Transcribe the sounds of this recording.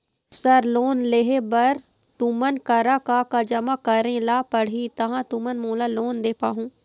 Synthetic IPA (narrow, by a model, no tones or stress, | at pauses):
səɾloːnleɦebɐɾ | t̪umənkəɾakakad͡ʒɐmakɐɾẽlaːpəɽ̤ɦit̪ɐɦãt̪umənmõːlaːloːnd̪eːpaːɦũː